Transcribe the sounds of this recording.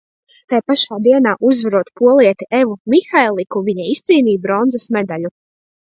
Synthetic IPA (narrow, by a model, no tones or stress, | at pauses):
t̪ajpaʃaːd̪iɛnaːʔuzvaɾuɔt̪puɔlˠiɛt̪iʔevumixajlˠikuviɲaist̪siːniːbɾɔnzasmɛd̪aʎu